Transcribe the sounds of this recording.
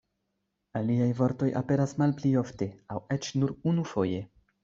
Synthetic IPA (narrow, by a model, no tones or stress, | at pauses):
aliajvo̞ɾto̞jʔa̰pe̞ɾasmalplio̞fte̞awe̞t͡ʃnuɾunufo̞je̞